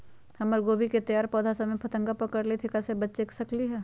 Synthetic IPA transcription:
hɐməɾɡoːbiket̪ɐjaːɾpɔːd̪ʱasɐmẽpʰɐt̪ə̃ŋɡapɐkəɾlet̪ʰɪkasebɐtːt͡ʃeksɐkliɦɛː

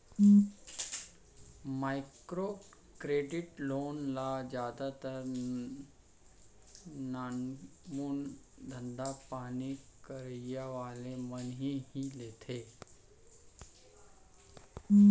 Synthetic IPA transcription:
majkɾo | kɾeɖiʈlonlad͡ʑjad̪at̪əɾ | nanmuːn | d̪ʱənd̪apanikəɾjəʋalemənɦihilet̪ʰe

